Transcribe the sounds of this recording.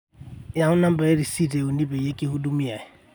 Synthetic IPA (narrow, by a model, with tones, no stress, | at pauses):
ja˨hʊ˦na˦m̩˦ba˨e˦ɾi˨si˦˨de˨ʊ˨ni˦be˨je˦kʼɪ˦hʊ˦du˦mi˦a˨ɪ˨